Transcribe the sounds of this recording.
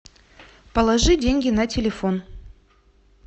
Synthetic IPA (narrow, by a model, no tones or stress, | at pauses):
pəlˠɐʐɨdʲenʲɡʲɪnɐtʲɪlʲɪfon